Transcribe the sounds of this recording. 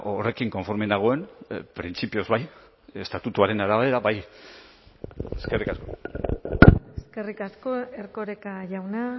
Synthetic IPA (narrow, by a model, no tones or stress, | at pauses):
ʔore̞kiŋko̞ɱfo̞ɾme̞naɣ̞o̞e̞npɾint͡sipio̞zβaj | e̞st̪at̪ut̪uaɾe̞naɾaβeeɾaβaj | eske̞rikasko̞̰ | eske̞rikaskoeɾkoɾekaʝawna